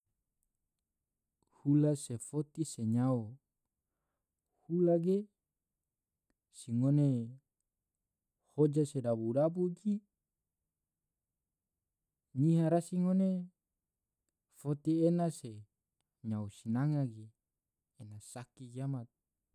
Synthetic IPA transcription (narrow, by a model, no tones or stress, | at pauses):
hulasefot̪iseɲao | hulaɡe | siŋone | hod͡ʒasedabudabuɡi | ɲiɦaɾasiŋone | fot̪ienase | ɲaosinaŋaɡeː | nasakiɡiamat̪̚